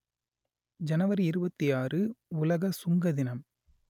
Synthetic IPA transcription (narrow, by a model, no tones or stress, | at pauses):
d͡ʒɐnɐʋɐɾiɪɾɯbɐt̪ːɪjaːrɯʊlɐɣɐsʊŋɡɐðɪnɐm